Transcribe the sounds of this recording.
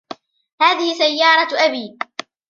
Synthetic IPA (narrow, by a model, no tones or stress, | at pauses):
haːðɪhɪsajːɑːɾˤɑʔabiː